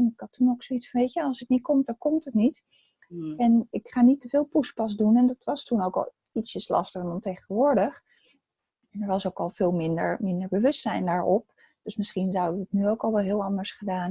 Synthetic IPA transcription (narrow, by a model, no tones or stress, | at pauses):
ɛnɪkɑtːunoksoitsfɑnʋejtəɑlˠsətnit̚kɔmt̚dɑŋkɔmtətnit | ɛnɪkχaːnitəvɪːlˠpuspɑsdunɛndɑtʋɑstunowkɑ̰lˠ | itsɪslɑ̰stəχndɑntejχənʋʊːɹdəχ | ɛnɛɹʋɑsowkɑlˠv̥ɪːlˠmɪndə̰ɹmɪndəɹbəʋɵstsɛjndaːɹɔp̚ | d̥øsmɪsχinzʌwdətnyowkɑlˠʋɛlˠɦɪːlˠɑndəɹsχədaːn